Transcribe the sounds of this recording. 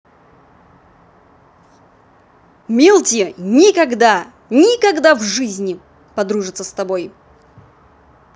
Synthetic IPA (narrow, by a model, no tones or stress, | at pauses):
mʲilˠtʲɪnʲɪkɐɡd̪a | nʲɪkɐɡd̪avʐɨzʲnʲɪ | pɐd̪ɾuʐɨt̪səst̪ɐbo̞j